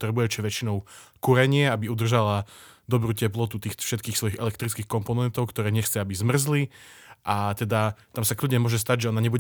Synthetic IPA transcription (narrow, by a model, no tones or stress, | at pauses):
t̪ɾɛbujɛt͡ʃɛʋɛt͡ʃinɔʊkuɾɛɲɪɛabiud̪r̩ʒalad̪ɔbɾuːcɛplɔt̪ut̪iːxfʃɛt̪̚kiːxsʋɔjiɣɛ̰lɛkt̪ɾitt͡skiːxkɔmpɔnɛnt̪ɔʊkt̪ɔɾɛːɲɛxt͡sɛabizmr̩zliʔat̪ɛd̪at̪amsaklʲudɟɲɛmʊɔʒɛs̬t̪aɟʒɛɔnaɲɛbuɟ